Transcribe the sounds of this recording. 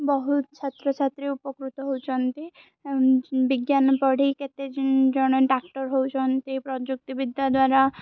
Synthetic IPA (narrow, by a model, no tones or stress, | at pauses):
bɔɦutt͡ʃʰat̪ɾot͡ʃʰat̪ɾeupɔkɾut̪ɔɦowt͡ʃʰɔnt̪i | biɡjanpɔɽ̤ʱijket̪ed͡ʒnd͡ʒɔñɔʈak̚ʈɔɾɦowt͡ʃʰɔnt̪ipɾɔd͡ʒuk̚t̪ibid̪ʱːad̪waɾa